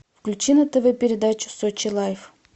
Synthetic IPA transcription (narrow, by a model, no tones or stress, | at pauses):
fklʲut͡ɕinət̪əvəpʲɪɾʲɪd̪at͡ɕʊ̥sot͡ɕɪlˠajf